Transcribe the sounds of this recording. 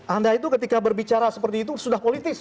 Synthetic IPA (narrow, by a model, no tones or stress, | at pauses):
ʔandait̪̬ukət̪ikabərbit͡ʃaɾasəpərt̪iːt̪̬usudahpolit̪ɪs